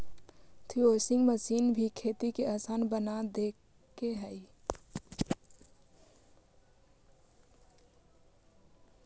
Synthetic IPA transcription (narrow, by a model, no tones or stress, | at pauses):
t̪ʰiosĩŋɡməsinbʱikʰet̪ikeasanbənad̪ek | kːeɦəɪ